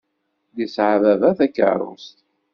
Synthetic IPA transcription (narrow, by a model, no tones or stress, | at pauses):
ðisʕavævæθækːə̰ɾˤʊ̰st̪